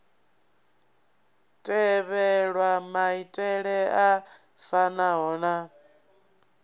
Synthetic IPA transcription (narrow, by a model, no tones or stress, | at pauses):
tʼɛβɛɺwamaitʼɛɺɛa | fanaɦɔːna